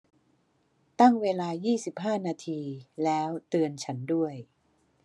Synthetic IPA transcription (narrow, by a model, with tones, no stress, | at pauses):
t̪a˥˩ŋweː˧laː˧jiː˥˩si˨˩p̚ɦaː˥˩naː˧t̪ʰiː˧lɛː˦˥wt̪ɯ˧ənt͡ɕʰa˦˥ndu˥˩əj